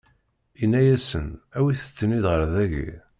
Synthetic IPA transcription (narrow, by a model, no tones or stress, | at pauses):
inːæjæsə̰næwiθə̥t͡sːəniðʁəɾðæʝḭ